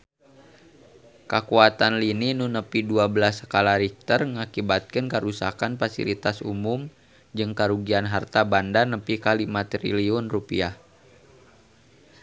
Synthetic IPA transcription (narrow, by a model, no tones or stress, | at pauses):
kəkuat̪anlininunəpiduabəlasəkalaɾik̚t̪ərŋakibat̪̚kənkəɾusa̰kanfasḭlit̪asṵmʊm | d͡ʒɨŋkaɾuɡianɦart̪abandanəpikalimat̪ɾḭliʊnrupiah